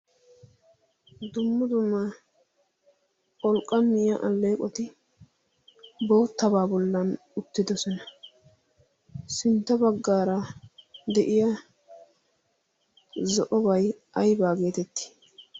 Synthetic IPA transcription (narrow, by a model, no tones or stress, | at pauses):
d̪ʊmːʊd̪ʊmːɐ | kʼɔlkʼːɐmːɪjɐʔɐlːe̞ːkʼɔt̪ɪ | bo̞ːt̪ːɐbaːbɔlːɐn | ʊt̪ːɪd̪ɔsɔnɐ | sɪnt̪ːɐbɐɡːaːɾɐ | d̪ɛʔɪjɐ | zɔʔɔbɐjʔɐjbaːɡe̞ːt̪ɛt̪ːɪ̥